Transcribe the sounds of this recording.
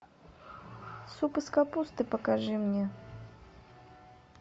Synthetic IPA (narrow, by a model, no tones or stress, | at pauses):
supɨskapust̪ɨpɐkaʐɨmnʲɛ